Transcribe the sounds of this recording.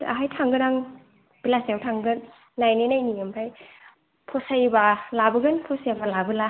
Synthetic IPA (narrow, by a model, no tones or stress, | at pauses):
a̰ɦajtʰaŋɡɯnaŋ | b̥ilasjawtʰaŋɡɯnː | ajnenajniɯmpʰaj | pʰɔsajbalabɯɡɯnpʰɔsajabalabɯla